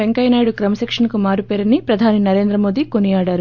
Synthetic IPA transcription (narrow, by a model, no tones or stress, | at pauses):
ʋeŋkɐjnaːjɽukɾɐmɐsekʂɐnkumaːɾupeːɾɐnːipɾɐd̪ʱaːninɐɾe̞ːnd̪ɾɐmoːd̪iko̞nijaːɽaːɾu